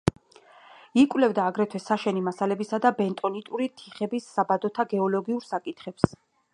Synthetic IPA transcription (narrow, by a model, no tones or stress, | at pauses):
ikʼwlɛvd̪aːɡɾɛt̪ʰwɛsaʃɛnimasalɛbisad̪abɛnt̪ʼɔnit̪ʼuɾit̪ʰiχɛbisːabad̪ɔt̪ʰaɡɛɔlɔɡiuɾsakʼit̪ʰχɛps